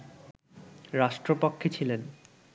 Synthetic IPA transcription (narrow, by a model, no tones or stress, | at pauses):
ɾaʃʈɾopokʰːit͡ɕʰilen